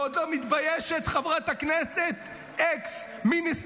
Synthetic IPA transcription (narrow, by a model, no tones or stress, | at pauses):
od̪lomit̪bajeʃet̪χavʁat̪akneset̪ | eks | minis